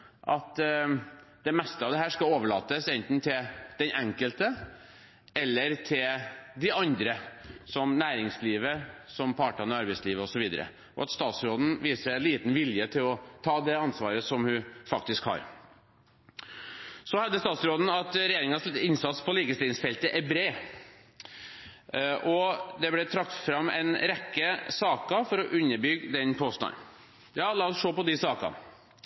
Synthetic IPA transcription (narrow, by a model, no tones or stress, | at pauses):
ʔɑt̪ | d̪ɛmɛst̪əɑʋd̪ɛhæːʂkɑoːʋəɭɑ̰ːt̪əsɛnt̪n̩t̪ʰɪld̪̥ɛnʔɛŋkəlt̪ə | ɛlːəɾt̪ʰɪld̪ɪɑnd̪ɾəsɔmnæːɾɪŋsliːʋəsɔmpʰɑʈɑnəɑɾbɛɪsliːʋəɔsɔʋiːd̪ə̰ɾə̰ | ʔɔ̰ɑt̪st̪ɑːt̪sɾoːd̪n̩ʋiːsəænliːt̪n̩ʋɪljət̪ʰɪlɔt̪ʰɑːd̪ɛɑnsʋɑːɾəsɔmhʉfɑk̚t̪ɪskhɑ̰ɾ | sɔhɑd̪ːəst̪ɑːt̪sɾoːd̪n̩ɑt̪ɾɛjeːɾɪŋənɑslɛt̪ːɪnsɑt̪spʰɔliːkəst̪ɪːsfɛlt̪əʔɛbɾeː | ʔɔd̪ɛblɛt̪ʰɾɑkt̪fɾɑmːɛ̰ɪnɾɛkːəsɑːkɑfɔɾɔʔʉnːəɾbʏɡd̪ɛnpʰoːst̪nɑ̰n | jɑːlɑːɔsʂoːpɔd̪ɪsɑːkɑ̰